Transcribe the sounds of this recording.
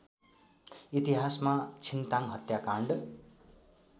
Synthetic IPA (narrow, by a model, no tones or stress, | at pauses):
it̪iɦasmat͡sʰint̪ãŋɦʌt̪jakãɳɖ